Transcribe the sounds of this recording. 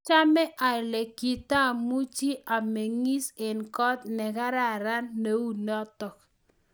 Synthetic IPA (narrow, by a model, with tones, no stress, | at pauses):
t͡ʃa˦mɛ˦ʔa˨le˨ki˨ta˦˨mu˦t͡ʃi˦ʔa˨me˨ŋi˦se˨nkɔ˦t̪nɛ˨ka˦ɾa˦˨ɾa˦nːe˨˦u˦nɔ˦tɔ˨k